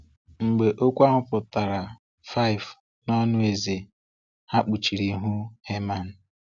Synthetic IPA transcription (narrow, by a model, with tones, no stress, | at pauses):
ŋ͡m̩˨ɡ͡be˨ʔo˦kʷa˦ŋʷʊ˦pʊ˨ta˨ɾa˨ | fa˦ɪ˨v | nɔ˦nʊ˦e˨ze˨ | ha˦k͡pu˨t͡ʃi˨ɾi˨˦ɦu˦he˦ma˨n̩˨